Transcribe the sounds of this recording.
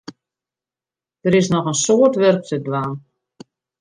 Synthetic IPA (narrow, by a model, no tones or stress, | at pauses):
d̥əɾɪsnɔxənsoːərtʋørk̚tədlaːn